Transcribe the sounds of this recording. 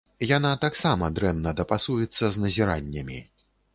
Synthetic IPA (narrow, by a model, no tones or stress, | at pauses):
janat̪aksamɐd̪ɾɛnːɐd̪ɐpasujɛt̪sːɐznɐzʲiɾa̰nʲːɐmʲi